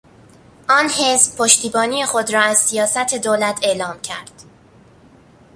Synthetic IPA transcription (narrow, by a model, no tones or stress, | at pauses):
ʔɒːnhe̞zbpʰoʃt̪iːbɒːnije̞xo̞d̪ɾɒːæz̥sijɒːsæt̪ʰe̞d̪oːlæt̪ʰe̞lɒːmcʰæ̰ɾd̪̥